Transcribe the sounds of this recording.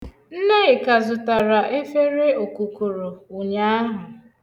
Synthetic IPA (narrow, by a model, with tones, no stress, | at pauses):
n̩˦ne˦ɪ˨ka˨zʊ˨ta˨ɾa˨ʔe˦fe˦ɾe˦o˨ku˨ku˨ɾo˨ʊ˨ɲa˦a˦ɦʊ˨